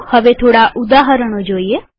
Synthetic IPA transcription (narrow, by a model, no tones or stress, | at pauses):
həʋet̪ʰoːɽaʔʊd̪aːɦəɾəɽ̃od͡ʒoːie